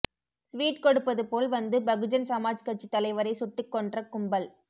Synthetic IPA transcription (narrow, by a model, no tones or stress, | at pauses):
sʋiːʈkɔɽɯpːɐðɯpoːlʋɐnd̪ɯbɐɣɯd͡ʒɐnsɐmaːd͡ʒkɐʈ̚t͡ʃːit̪ːɐlɐɪʋɐɾɐɪsʊʈːɯkːɔɳɖrɐkʊmbɐl